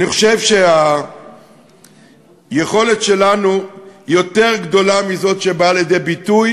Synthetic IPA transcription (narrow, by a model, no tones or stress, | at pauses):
aniχo̞̥ʃe̞vʃe̞a | jeχo̞le̞tʃe̞lanujo̞t̪e̞ʁɡd̪o̞lamizo̞tʃe̞baːljed̪e̞jbituj